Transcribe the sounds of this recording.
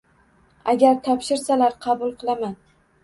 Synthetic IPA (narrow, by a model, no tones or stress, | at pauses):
aɡʲaɾt̪ʰɒpʃɪɾsalaɾqʰɑbʊlˠqʰɨlˠaman